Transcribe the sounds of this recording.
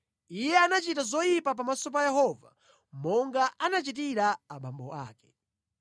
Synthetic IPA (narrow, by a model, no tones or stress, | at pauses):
ijɛanat͡ʃitazɔjipap̬amasɔp̬ajɛhɔva̰ | mɔŋɡaʔanat͡ʃit̬iɾaːɓambɔ̰ʔa̰ːkɛ̥